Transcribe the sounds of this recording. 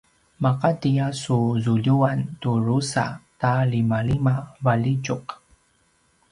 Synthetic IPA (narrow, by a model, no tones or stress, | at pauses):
maqatijasuzuʎuant̪uɾusa̰t̪alimalimavalit͡ʃoq